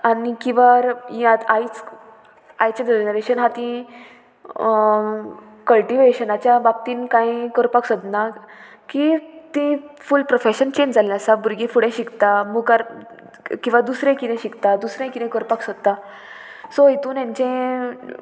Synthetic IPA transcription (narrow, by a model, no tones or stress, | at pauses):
anikĩʋaɾjat̪ait͡s | ajt͡ɕãd͡ʑenəɾeɕənɦãt̪ĩ | kəlʈiʋeɕənat͡ɕjabap̚t̪iːnkãĩkəɾpaksəd̪na | kit̪ĩfulpɾofeɕənt͡ɕend͡zalːasabuɾɡẽfuɽẽɕikt̪amukaɾ | kĩw̃ʋad̪usɾẽkid̪ɛ̃ɕikt̪ad̪usɾẽkid̪ẽkəɾpaksɔd̪t̪ːa | soɦit̪uːnjãɲt͡ɕẽ